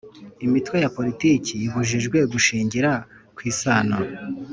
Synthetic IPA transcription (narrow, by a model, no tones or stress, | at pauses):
imitwe̞japo̞ɾitiːciβuʒiʒɡwe̞ɡuʃiːɲɟiɾakwiːsaːno